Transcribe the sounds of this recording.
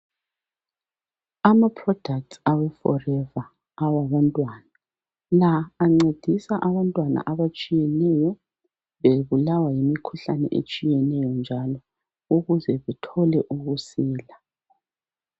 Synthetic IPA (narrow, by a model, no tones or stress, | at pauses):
amapʰrɔd̥ʱak̚tsawɛfɔrɛvaː | waβantʼwaːna | laːŋ͡ǀed̥ʱisaʔaβantʼwana̰ʔaβat͡ʃʼijɛnɛjɔ | βeβulawajimikʰuɬanɛ̰ʔḛt͡ʃʼijɛnɛjɔnd͡ʒʱalɔ | uɣuzɛβɛtʰɔlɛʔuɣusiːla